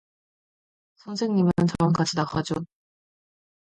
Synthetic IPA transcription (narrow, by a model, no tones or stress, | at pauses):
sʰʌnsʰe̞ŋɲimɯɯnt͡ɕʌɯnkad͡ʑʰinakʰad͡ʑo